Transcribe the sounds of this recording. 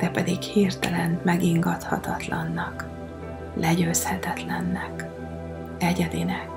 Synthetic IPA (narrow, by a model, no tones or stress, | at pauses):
ɾɛpɛd̪ikhirt̪ɛlɛnmɛɡiŋɡɒt̪hɒt̪ɒt̪lɒnːɒk | lʔɛɟøːshɛt̪ɛt̪lɛnːɛk | ɛɟɛd̪inɛk